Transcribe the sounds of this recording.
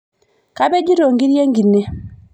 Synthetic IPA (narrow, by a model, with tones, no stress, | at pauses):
ka˦bɛ˦d͡ʒi˦ɾo˨ŋɡi˦ɾje˦ŋɡi˨nːe˦